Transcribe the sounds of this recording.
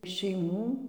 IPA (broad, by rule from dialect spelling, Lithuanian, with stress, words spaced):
ʃʲɛɪˈmuː